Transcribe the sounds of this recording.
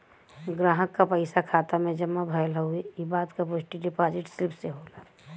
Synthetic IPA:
ɡɾaːɦəkːapəɪsakʰaːt̪amẽd͡ʒəmːabʱəjlɦəueibaːd̪kapod͡ʒʈiɖɪpaːd͡ʒɪʈsilpʰseɦoɡaː

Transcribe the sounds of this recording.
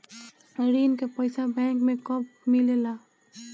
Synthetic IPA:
ɾinkepəjsabɛ̃ːŋkmẽkɔp̚milela

